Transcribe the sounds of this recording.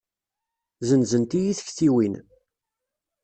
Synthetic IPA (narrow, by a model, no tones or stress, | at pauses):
zənzənt̪ijiθə̥çθiwin